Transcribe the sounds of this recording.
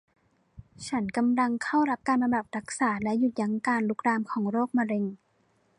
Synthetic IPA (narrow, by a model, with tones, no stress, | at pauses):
t͡ɕʰa˦˥nka˧mla˧ŋkʰa˥˩wɾa˦˥p̚kaː˧nba˧ba˨˩p̚ɾʰa˦˥k̚saː˩˦lɛ˦˥ʔju˨˩t̪̚ja˨˧˥ŋkaː˧nlu˦˥k̚ɾaː˧mkʰɔː˩˦ŋɾoː˥˩k̚maː˧ɾe˧ŋ